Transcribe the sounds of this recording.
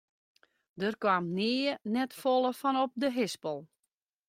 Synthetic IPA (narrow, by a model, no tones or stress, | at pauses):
dərkwaːmnɪːənɛtfolˠəfɔnɔp̚dəɦɪspəlˠ